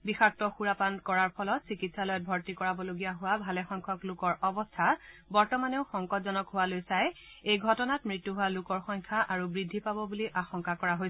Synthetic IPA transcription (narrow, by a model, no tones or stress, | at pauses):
bixak̚tɔxuɹapankɔɹaɹpʰɔlɔtsikitsalɔjɔt̚bʱɔɹtikɔɹabɔloɡijaɦʊwabʱalɛxɔŋkʰɔklʊkɔɹʔɔbɔstʰabɔɹtɔmaneʊxɔŋkɔtzɔnɔkɦʊwalojsaj | ejɡʱɔtɔnatmɹitːuɦʊwalʊkɔɹxɔŋkʰaʔaɹubɹidʱːipabɔbuliʔaxɔŋkakɔɹaɦoj